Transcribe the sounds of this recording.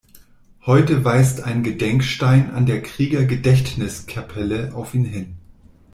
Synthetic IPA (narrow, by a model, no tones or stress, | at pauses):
hɔʏtəvaɪsta̰ɪnɡədɛŋkʃtaɪna̰ndeːɐkʁ̥iːɡɐɡədɛçtnɪskʰapʰɛləʔaʊfiːnɦɪn